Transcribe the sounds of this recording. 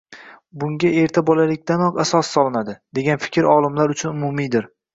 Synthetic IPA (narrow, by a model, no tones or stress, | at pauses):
bʊŋɡʲae̞ɾt̪ʰabɒlalɪk̚ʲd̪anɒqasɒsːɒlˠɪnad̪ɪd̪e̞ɡʲanfɪ̥kʲʰɾɒlˠɪmlaɾʊt͡ʃʰʊnʊmʊmid̪ɪɾ